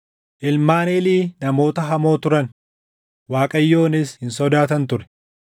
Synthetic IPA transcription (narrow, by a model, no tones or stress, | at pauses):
ʔɪlmaːneːliːnɐmo̞ːt̪ɐɦɐmo̞ːt̪ʊɾɐn | waːkʼɐjːo̞ːnɪshɪnsɔd̪aːt̪ɐnt̪ʊɾɛ̥